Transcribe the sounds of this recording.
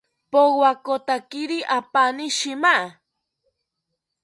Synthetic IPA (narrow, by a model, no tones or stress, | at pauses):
powakot̪akiɾiʔapaniʃimaʔa